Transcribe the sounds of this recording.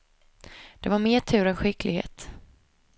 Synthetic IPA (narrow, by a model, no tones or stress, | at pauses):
d̪̥ɛvaɾmeːʈʰʉ̟ːɾɛnɧɪklɪɡhḛːt̪